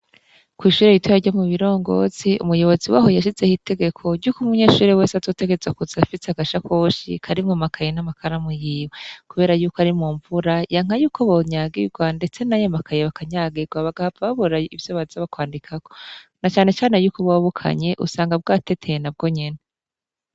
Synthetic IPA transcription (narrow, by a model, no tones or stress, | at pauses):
kwiːʃuːɾejitwajaɾɟomuβiɾo̞ːŋɡo̞̰ːz̥iṵmujo̞βo̞ziwa̰ːɦo̞jaʃize̞hite̞ɡe̞kʰo̞ɾɟukumuɲeːʃuːɾewe̞ːsazo̞ːte̞ɡezakuzafiseaɡaʃakʰo̞ːʃḭkʰaɾimŋomakʰajenamakʰaɾamujiːwekuβe̞ːɾajuːkoaɾimŋuːɱvuɾajaŋajuːkʰo̞βoɲaɡḭɡwande̞t͡se̞najamakʰajeβakaɲaɡiɡwaβaɡahabaβaβoɾaivjoβazaβakwaːndikʰako̞̥nat͡ʃaːne̞t͡ʃaːnejuːkoβwaβukʰa̰ɲe̞ʔṵsaːŋɡab̚ɡaːte̞tʰejenab̚ɡo̞ɲene